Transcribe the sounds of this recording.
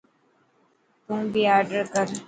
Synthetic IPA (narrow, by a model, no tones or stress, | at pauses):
t̪ũːbʱiaːɾɖəɾkəɾ